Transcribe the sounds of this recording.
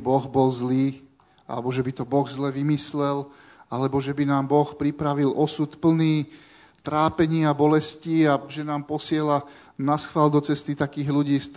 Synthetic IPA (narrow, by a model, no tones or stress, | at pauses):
bɔɣbɔlzliː | a̰lɛbɔʒɛbit̪ɔbɔɣzlɛʋimislɛl | alɛbɔʒɛbinaːmbɔxpɾipɾaʋilʔɔsut̪pl̩niː | t̪ɾaːpɛɲɪabɔlɛsciaʒɛnaːmpɔsɪɛla | nasxʋald̪ɔt͡sɛst̪it̪akiːɣluɟiːs